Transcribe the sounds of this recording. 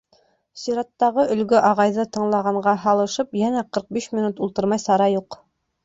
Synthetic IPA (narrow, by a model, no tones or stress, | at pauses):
siɾɑt̪ːɑʁɤɵ̆lɡɵʔɑʁɑjðɤt̪ɤ̆ɴlˠɑʁɑɴɢɑɦɑlˠɤ̆ʃɤpjænæqɤ̆ɾq̚biʃmʲinut̪ulˠt̪ɤɾmɑjsɑɾɑjuq